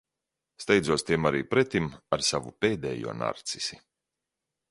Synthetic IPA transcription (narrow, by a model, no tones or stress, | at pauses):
st̪ɛjd̪zuɔst̪iɛmaɾiːpɾɛt̪imaɾsavupeːd̪ɛ̰ːjṵɔna̰ɾt̪si̥si